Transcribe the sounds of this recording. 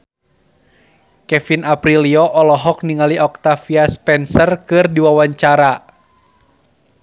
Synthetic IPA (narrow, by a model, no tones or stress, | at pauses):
kɛfinapɾiliɔʔɔlɔɦɔk̚niŋaliʔɔk̚t̪afiaspɛnsərkɨrdiwawaɲt͡ʃaɾa